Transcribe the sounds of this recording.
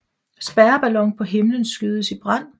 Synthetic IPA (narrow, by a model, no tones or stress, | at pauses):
sb̥æɐb̥ælɒ̽ŋpʰɒ̽ɦe̝mlənsɡ̥yð̞ˠəsib̥ʁɑn̰